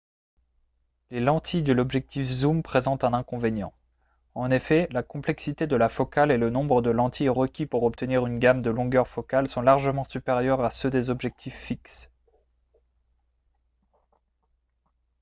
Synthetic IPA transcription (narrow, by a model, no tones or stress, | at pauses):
lelɑ̃t̪ʰid̪əlɔbʒɛk̚t̪ʰifzumpχezɑ̃t̪ɛ̃nɛ̃kɔ̃venjɑ̃ | ɑ̃nefɛlakɔ̃plɛksit̪ed̪əlafɔkalelənɔ̃bʁəd̪əlɑ̃t̪ʰiʁəkʲipuʁɔp̚t̪əniʁynɡamd̪əlɔ̃ɡœʁfɔkalsɔ̃laʁʒəmɑ̃sypeʁjœʁasød̪ezɔbʒɛk̚t̪ʰifːiks